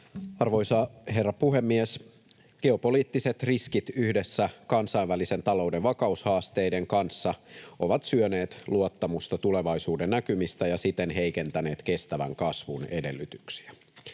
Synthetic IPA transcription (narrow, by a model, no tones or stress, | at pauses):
ɑrʋo̞jsɑɦe̞rːɑpuɦe̞mːies | ɡ̥e̞o̞po̞liːt̪ːise̞t̪riskit̪yhde̞sːækɑnsɑiʋʋælise̞nt̪ɑlo̞wde̞ʋʋɑkɑushɑːst̪e̞jde̞ŋkɑnsːɑʔo̞ʋɑt̪syøne̞ːt̪luot̪ːɑmust̪ɑt̪ule̞ʋɑjsuːdennːækymist̪æjɑsit̪ːenɦe̞jke̞nt̪æne̞ːt̪ke̞st̪æʋæ̰ŋkɑsʋune̞de̞lːyt̪yksi̥æ